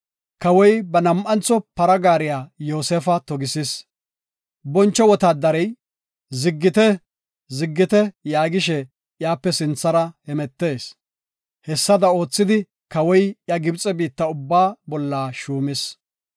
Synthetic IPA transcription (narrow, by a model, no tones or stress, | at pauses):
kɐwɔjbɐnɐmʔɐnt͡sːɔpɐɾɐɡaːɾɪjaːjo̞ːseːfɐt̪ɔɡɪsɪs | bɔnt͡ʃːɔwɔt̪aːd̪ɐɾɛj | zɪɡːɪt̪ɛ | zɪɡːɪt̪ɛjaːɡɪʃɛ | jaːpːɛsɪnt͡sːɐɾɐhɛmɛt̪ːe̞ːs | hɛsːɐd̪ɐo̞ːt͡sːɪd̪ɪ | kɐwɔjjɐɡɪbt͡sʼɛbiːt̪ːɐʊbːaːbɔlːaːʃuːmɪs